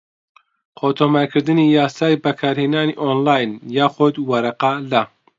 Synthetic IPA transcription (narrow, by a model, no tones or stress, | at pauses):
qʰoːt̪ʰoːmaɾkʰɨɾd̪ɨnijaːsaːjbɐkʰaːɾheːnaːniʔoːnlaːjnjaːxʊd̪wɐɾɐqɑlɐ